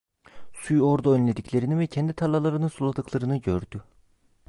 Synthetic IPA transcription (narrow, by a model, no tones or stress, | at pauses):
sujo̞ɾd̪oønlʲed̪iclʲe̞ɾinivɛcʰɛnd̪it̪ʰalˠalˠaɾɯnɯsulˠad̪ɯklˠaɾɯnɯɟø̞ɾd̪y